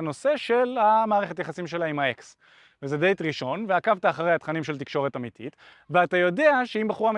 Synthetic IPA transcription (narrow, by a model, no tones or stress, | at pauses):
no̞se̞ʃe̞lhamaːʁeχe̞tjaχasimʃe̞laimhaeks | vezedejtʁiʃo̞nveakavtaːχaʁejhat̪χanimʃe̞lt̪̬ikʃo̞ʁe̞tamitʰḭt | veatajo̞de̞aʃeimbeχuʁam